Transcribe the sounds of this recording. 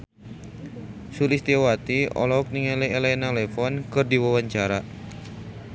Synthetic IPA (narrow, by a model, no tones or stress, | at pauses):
sulɪst̪iawat̪iɔ̰lɔɔk̚niŋɛlɛelɛnalɛfɔnkɨrdiwawaɲt͡ʃaɾa